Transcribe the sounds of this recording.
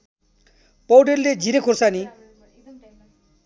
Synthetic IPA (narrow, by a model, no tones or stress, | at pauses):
pʌwɖerled͡zʱiɾekʰorsani